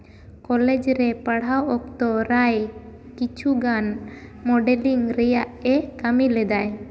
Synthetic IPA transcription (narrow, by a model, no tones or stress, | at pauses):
kɔlɛd͡ʒɾɛpəɽ̤awɔk̚t̪ɔɾaj | kit͡ʃʰuɡanmɔɖɛliŋɾɛjaʔɛkamilɛd̪aj